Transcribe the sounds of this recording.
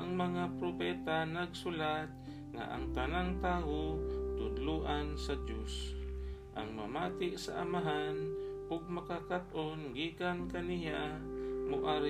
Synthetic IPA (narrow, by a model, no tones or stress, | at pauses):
aŋmaŋapɾopɛt̪anaɡsʊlat̪̚ | ŋa̰ʔa̰ŋt̪anaŋt̪aːwot̪ʊd̪luʔansad̪jos | ʔa̰ŋma̰maːt̪ɪʔsa̰ʔamaɦanʔʊɡ̚makakat̪ʔonɡiːkankanijamʊʔaɾ